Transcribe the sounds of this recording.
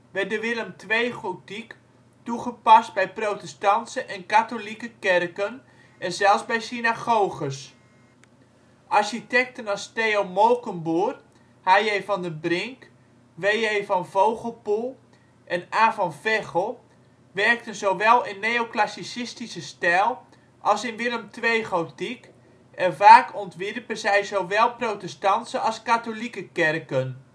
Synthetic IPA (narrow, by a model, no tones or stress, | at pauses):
ʋɛrdəʋɪləmtʰʋejχotik | tuχəpast̚bɛjprowtɛstɑntsəʔɛnkatolikəkɪrkən | ɛnzɛlˠszbɛjsinaɣowχəs | ʔarʃitɛk̚tənɔsteowmolˠkənbur | hajejfɔndəbrɪŋk | ʋejejfɔnvowχəl̩ˠpulˠ | ʔɛnaːfɔnfɛχəlˠ | ʋɛrk̚tənzoʋɛlˠɪnːejoklasisɪstisəstɛlˠ | ʔɑlˠsɪnʋɪləmtʰʋejχowtik | ɛnvaːkʰɔntʋɪrpəzɛjzowʋɛlˠprowtɛstɑntsəɑskatolikəkɛrkən